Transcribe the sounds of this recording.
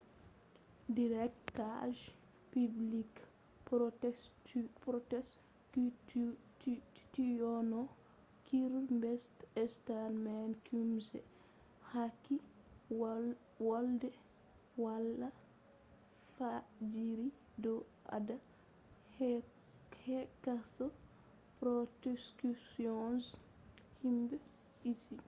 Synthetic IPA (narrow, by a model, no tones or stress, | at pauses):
diɾɛktaʒ | piblik | ɔtɛpɾɔtɛs | tijɔnɔ | kiɾmbɛstɛstalmɛnkumsɛ̰ | hakːi | wɔldɛ | walːa | fad͡ʒiɾi | dɔ | ʔa̰da | h | hɛkasɔ | pɾɔtɛskusiɔns | himbɛ | isi